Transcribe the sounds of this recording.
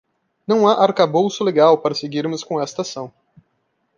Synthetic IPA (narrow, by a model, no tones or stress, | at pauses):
nɐ̃w̃aʔaɾkabowsʊleɡawpaɾɐseɡiɾmʊskõɛst̪ɐsɐ̃w̃